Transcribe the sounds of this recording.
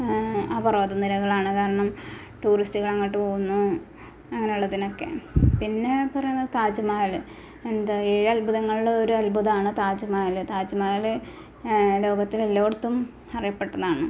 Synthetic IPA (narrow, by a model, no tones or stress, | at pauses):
abɐro̞ːd̪ɐnilɐɣɐɭaːɳɨkaːɾɐɳɐm | ʈuːristiɣɐɭɐŋːɐʈːɨpoːɣunːu | ɐŋːɐnejuɭːɐðino̞kːe̞̰pinːe̞pɐrɐjunːɐðɨt̪aːd͡ʑɐmaːɣɐl | end̪ɐeːɻɐlbʱuðɐŋːɐɭuɭːɐo̞ɾuɐlbʱuðɐaːɳɨt̪aːd͡ʑɐmaːhɐlɨt̪aːd͡ʑɐmaːɣɐl | lo̞ːɡɐt̪ːilelːoːɽut̪ːum | ɐrijɐpːe̞ʈːɐðaːɳɨ